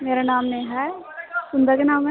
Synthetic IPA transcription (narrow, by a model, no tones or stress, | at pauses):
meːɾanaːmneɦɛ | sʊnd̪əakenaːm